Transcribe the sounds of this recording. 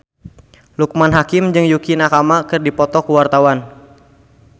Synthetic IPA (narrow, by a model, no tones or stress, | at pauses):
luk̚manɦakɪmd͡ʒɨŋjukinakamakɨrdipɔt̪ɔkuwart̪awan